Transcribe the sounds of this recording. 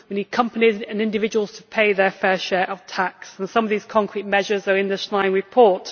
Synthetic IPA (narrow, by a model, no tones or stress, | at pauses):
wə̃niəkʰʌ̃mpənizə̃nɪ̃ndɪvɪd͡ʒəwəlˠz̥tʰəpʰeɪðəfɛːʃɛːɹʔəv̥tʰaksə̃nsʌ̃mʌvðiːz̥kʰɒ̃ŋkʰɹ̥it̚mɛʒəzəɹɪ̃nðəʃlãɪ̃ŋɹɪpʰɔˑt